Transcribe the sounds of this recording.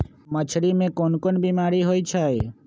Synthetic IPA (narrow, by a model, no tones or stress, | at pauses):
mət͡ʃʰɾimẽkonkonbimaɾiɦojt͡ʃʰaj